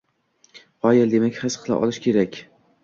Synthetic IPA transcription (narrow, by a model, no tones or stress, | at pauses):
hɒjɪld̪e̞makʲhɪsqʰɨlˠa̰ʔɒ̰lˠɪʃkʲʰe̞ɾakʲ